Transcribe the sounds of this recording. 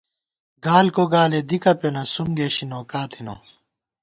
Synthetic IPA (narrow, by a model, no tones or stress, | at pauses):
ɡaːlkoɡaːled̪ikɐponɐsumɡeːɕinoːkaːt̪ʰino̰ː